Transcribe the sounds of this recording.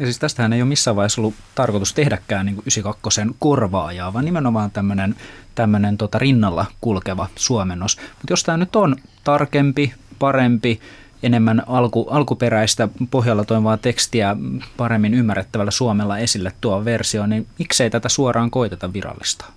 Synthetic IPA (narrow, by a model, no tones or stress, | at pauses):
jɑsiːst̪æst̪æhæneijomisːæːʋɑihesolːu | t̪ɑrkot̪ust̪ehdækːæːnniːŋkuʔysikɑkːosenkorʋɑːjɑːʋɑːnimenomɑːnt̪æmːønent̪æmːønent̪ot̪ɑrinːɑlːɑ̰kulkeʋɑsuɑmenːosmut̪jost̪æːnyt̪on | t̪ɑrkempipɑrempi | enemːænɑlkuʔɑlkuperæist̪æpoɦjɑlːɑt̪oiʋɑːt̪ekst̪iæpɑɾemːinymːærːet̪ːæʋælːæsuɑmelːɑesilːet̪t̪uɑʋersionimikseit̪æt̪æsuɑrʔɑːŋkoit̪et̪ɑʋʋirɑ̰lːist̪ɑ̥